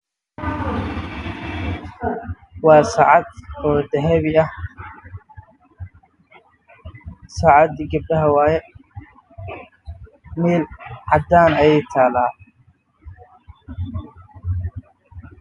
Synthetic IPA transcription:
wɑːsaːʕɑd̪ɔːd̪ɐɦɛβɪɐh | saːʕɑd̪iɡɐb̚ɖɐɦɐwaːjɛ | mɛːlʕɑd̪aːnɐjɛjt̪ʰaːlaː

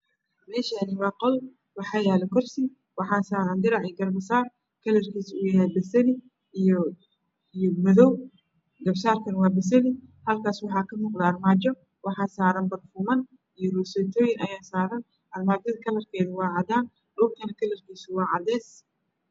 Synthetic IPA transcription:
mɛːʃaːnɪwɑːqɔl | wɑħɑːjaːlɛkʰɔrsɪ | wɑħɑːnsaːɾɐnd̪ɪɾɑʕijɔɡɐrbɐsaːr | kʰɐlɐrkʰiːsuːjɐɦɛjbɐsɐlɪ | jɔ | ijɔmɐðɔw | ɡɐbsaːrkʰɐnwɑːbɐsɐlɪhɐlkʰaːswɑħɑːkʰɐmɔqd̪ɐɐrmaːt͡ʃɔ | wɑħɑːnsaːɾɐnbɐrfuːmɐn | ijɔruːsɐt̪ʰɔːjɪnɐjaːsaːɾɐn | ʔɐrmaːd͡ʒɐðɐkʰɐlɐrkʰɛːðʊwɑːʕɑd̪aːn | dʊːbk̪ʰɐnɐkʰɐlɐrkʰiːsʊwɑːʕɑd̪ɛːs

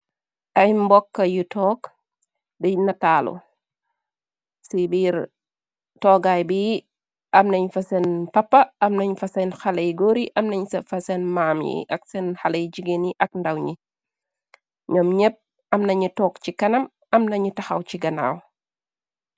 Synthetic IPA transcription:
ʔɐjmbɔkːɐjutɔːk | dɛnɐtaːlṵ | sibiːɾ | tɔːɡajbi | ɐmnɐɲfɐsɛnpɐpːɐɐmnɐɲufɐsɛnxɐlɐjɡoːɾiʔɐmnɐɲsɐfɐsɛnmaːmjḭʔɐksɛnxɐlɐjɟiɡenjiʔɐk̚ndɐwɲi | ɲɔmɲəp̚ | ɐmnɐɲutɔːkcikɐnɐm | ɐmnɐɲutɐxɐ̰wciɡɐna̰ːw

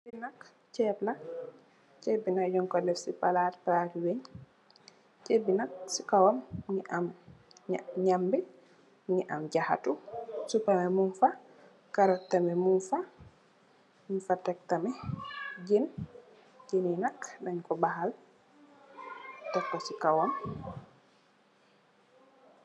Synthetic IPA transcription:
inak | t͡ʃɛːpla | cɛbinakjɔŋkɔlɛfsipalatpalatweɲ | t͡ʃebːinak̚sikawamɲiʔam | ɲambi | ɲiʔa̰mɟaha̰tusupamɛmunfa | kaɾak̚tamɛmunfa | minfatɛk̚tamɛd͡ʒen | d͡ʒeninakdaɲkɔbaɦal | tɛkːɔsikawam

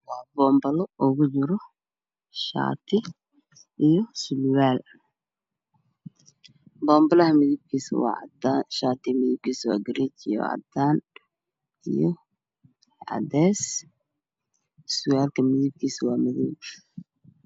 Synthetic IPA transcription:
wɑːbɔːmbɐlɔɔɣʊt͡ʃɪɾɔ | ʃa̰ːt̪ʰɪ | ʔijɔsʊlwaːl | bɔːmbɐlɐhɐmɪðɪb̚kʰiːsɐ̰wɑ̰d̪aʃaːt̪ʰɪmɪðɪb̚kʰiːswɑ̰ːɡɐɾit͡ʃijɔ̰w̰ʕa̰d̪aːn | ḭjɔ | ɑ̰d̪ɛːs | sʊwaːlkʰɐmɪðɪb̚kʰiːswɑːmɪðib

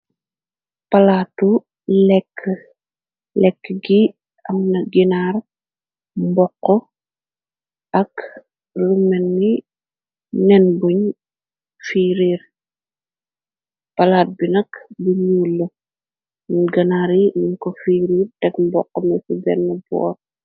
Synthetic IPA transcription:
pɐlaːtu | lɛkː | lɛkːɡi | ɐmnɐɡinaːr | mbɔkːɔ | ʔɐk | rumɛnːi | nɛnbuɲ | fiːɾir | pɐlaːt̚binɐkbuɲuːlːə | mɡɐnaɾininkɔfiːɾirtɛkmbɔkːɔmɛsubɛnːəbɔ̰ːr̚

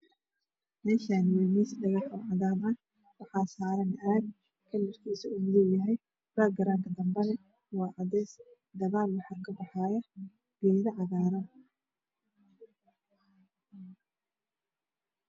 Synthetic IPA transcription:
mɛːʃaːnɪwɛːmɛːsdɐɣɐħɔʕɑðaːnɐn | wɑħɑːsaːɾɐnaːd̪̚ | kʰɐlːɪrk̪ʰiːsɐuːmɪðɛjɐɦɛj | b̥ɐːɡɐɾaːŋkʰɐd̪ɐmbɛlɛ | wɑːʕɑðɛs | d̪ɐɣaːlwɑħɑːkʰɐbɑħɑːjɐ | b̥ɛːðɐʕɑɣaːɾɐn

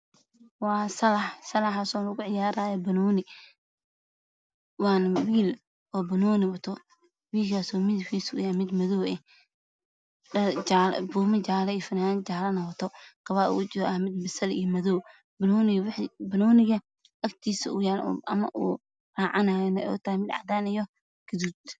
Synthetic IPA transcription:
wɑːsɐlɑħsɐlɑħasɔːlɐɣʊʕɪjaːɾaːjɛbɐnɔːnɪ | wɑːnwiːl | ɔːbɐnɔːnɪwɐt̪ʰɔ | wiːlkʰaːsɔːmɪðɪbkʰiːsʊ̰jaːmɪd̪mɐðɔwɛ | albuːmɪt͡ʃaːlɛijfɐnaːt͡ʃaːlɐnɐwɔt̪ʰɔqɐβaːʔʊ̰ʊt͡ʃɔːaːmɪd̪mɐsɐlḭjɔmɐðɔw | bɐnɔːnɪwħbɐnɔːnɪɣɐ | ʔɐkt̪ʰiːsɐṵjal̰ɐ̰mɐ̰ʔu | raːʕɑnajnɔ̰ːt̪ʰamɪd̪ʕɑ̰ðaːnijɔ | ɡ̥ʊðud̪

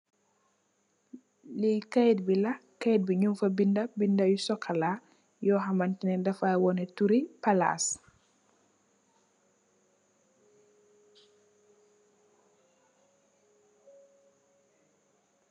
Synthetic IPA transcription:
likajt̚bilɐkɛjt̚biɲumfɐbindɐbindajusɔkʰːɐla | jɔːɦamantinɛdɐfawɔnɛtuɾipɐla̰ːs

